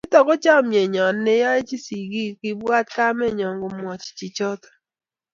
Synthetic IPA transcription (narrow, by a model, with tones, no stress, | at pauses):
ɪ˦tɔ˨ko˦t͡ʃa˦ɔ˨mje˨ɲɔ˨nː˦ɪ˦ja˦e˦t͡ʃi˦si˨ɡi˦kɪ˦bwa˦t̚ka˦mɛ˦˨ɲɔ˨ŋɡo˨mwɔ˨t͡ʃt͡ʃi˨t͡ʃɔ˦tɔ̥˨